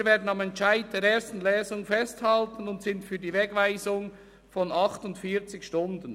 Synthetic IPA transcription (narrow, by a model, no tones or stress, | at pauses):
veːɐdən̩ɑmɛntt͡ʃaɪd̚d̥eːɾeːstn̩lɛːzʊŋfɛsthɑltən̩ʊntsɪntfyːɐdiːvɛɡvaɪzʊŋ | fɔnɑχtʊntfiːt͡sɪçʃtʊndən